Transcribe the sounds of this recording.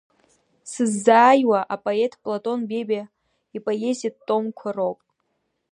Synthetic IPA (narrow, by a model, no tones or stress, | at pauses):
sɨzːaːjwaʔapʼoetʰʼpʼlatʼo̞nbe̞bʲa | ipʼaje̞zit̚tʼːo̞mkʷʰaropʼ